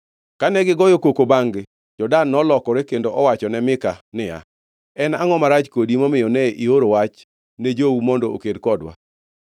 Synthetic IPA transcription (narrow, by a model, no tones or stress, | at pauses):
kanɛɡɪɡɔjokokobaŋɡɪ | d͡ʒɔdanːɔlɔkɔɾekendoʔɔwat͡ʃɔnɛmɪkanɪja̰ | ɛnaŋɔmaɾat͡ʃkodimɔmɪjɔnɛʔioɾowat͡ʃ | ned͡ʒoumɔndɔo̰kedkɔdwa̰